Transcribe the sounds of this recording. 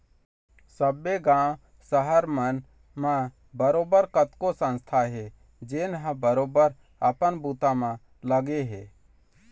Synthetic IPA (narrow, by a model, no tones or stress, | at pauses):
səbːeɡãːw | səɦəɾmən | mã | bəɾoːbəɾkət̪kosə̃nst̪ʰaɦɛ | d͡ʒenɦə̃bəɾoːbəɾ | əpənbut̪amã | ləɡeɦeː